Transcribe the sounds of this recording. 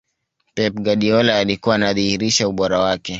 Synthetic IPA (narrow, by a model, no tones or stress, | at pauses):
pɛp̚ɡaɗiɔlaːlikuwaːnaðihiɾiʃauɓɔɾawakɛ